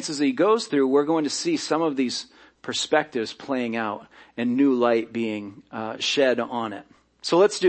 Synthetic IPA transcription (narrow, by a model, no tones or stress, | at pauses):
nsɨziɡoʊz̥θɹʉwɪɹɡoʊɪ̃ŋtʰɨsisʌ̃mʌvðiz̥ | pʰə˞spɛk̚tɨvz̥pʰl̥eɪɪ̃ŋaʊɾɨ̃nːʉlaɪt̚b̥iɪ̃ŋʃɛɾn̩ɪ̰t̚ | soʊlətsd̥ɨ